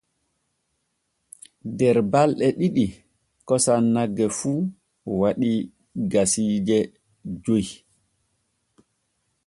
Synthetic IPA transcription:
dɛɾbalɗɛɗiɗi | kɔsanːaɡːɛfu | waɗi | ɡasiːd͡ʒɛ | d͡ʒoj

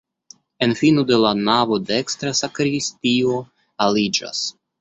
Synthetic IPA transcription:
e̞nfinode̞lanavo̞dekst̪ɾasakɾistio̞ | alid͡ʒa̰s

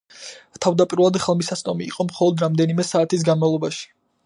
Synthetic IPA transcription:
t̪ʰavd̪apʼiɾulˠad̪χɛlˠmisast̪ʼɔmḭːqʼɔmχɔlˠɔd̪ɾamd̪ɛnimɛsaːt̪ʰis̬ɡanmavlˠɔbaʃi̥

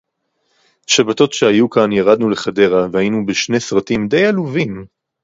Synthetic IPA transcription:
ʃabato̞tʃehajukanjaʁad̪nuleχade̞ʁavehajinubeʃne̞sʁatimd̪e̞jaluvim

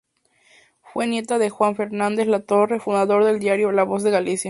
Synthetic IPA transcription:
fwenje̞t̪aðe̞xwaɱfe̞ɾnãnd̪e̞zlat̪o̞refund̪aðo̞ɾðe̞ld̪jaɾjolaβo̞zðe̞ɣalisja

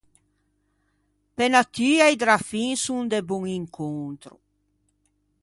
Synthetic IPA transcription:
pɛnat̪yːajd̪ɾafiŋsuŋd̪ebuŋiŋkʰont̪ɾṵ

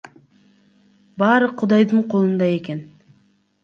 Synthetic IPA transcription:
bɑːɾɯqʰud̪ɑjd̪ɯɴqʰo̞lˠund̪ɑe̞ke̞n

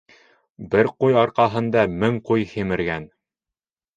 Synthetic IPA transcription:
bɘɾqujɑɾqɑɦɤ̆nd̪ɑmɘŋqujhimɘ̆ɾɡæn

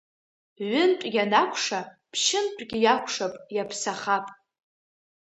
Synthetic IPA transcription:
ʕʷʊntʷʼɡʲanakʷʰʂapʰʃɪntʷʼɡʲɪjakʷʰʂapʼjapʰsaχapʼ

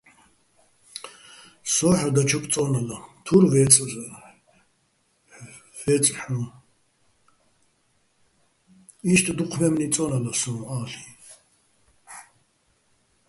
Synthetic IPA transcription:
sɔːħad̪at͡ʃʰupʰʼt͡sʼɔnalat̪ʰuɾvɛt͡sʼr | vɛt͡sʼħũː | iʃt̪ʼd̪uqʰmɛmnit͡sʼɔnalasɔ̃ːaːɬi̥

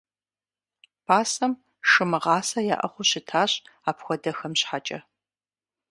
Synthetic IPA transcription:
pʰaːsɐm | ʂɨmɨʁɑːsɐja̰ːʔɐ̰χʷʊɕɪtʰaːɕaːpxʷɔdɐxɐmɕħat͡ʃʼɐ

